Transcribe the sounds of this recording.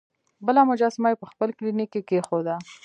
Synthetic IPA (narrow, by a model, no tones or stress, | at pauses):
bəlɑmʊd͡ʒɑsɪmɑjepəxpəlklinikːekexod̪a